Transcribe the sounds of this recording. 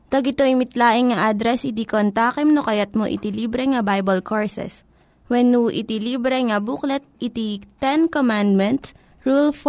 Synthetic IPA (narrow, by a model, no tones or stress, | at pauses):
d̪ɐɡɪt̪oʔɪmɪt̪laːʔɪŋŋɐʔad̪ɾɛsɪd̪ikont̪aːkɛmnokɐjat̪̚moʔɪ̰t̪iliːbɾɛŋɐbajbɐlkʰoɹsɛ̰s | wɛnːuʔɪ̰t̪iliːbɾɛŋɐbuklɛt̪̚it̪it̪ɛnkomand̪̚mɛnt̪s | ɹulf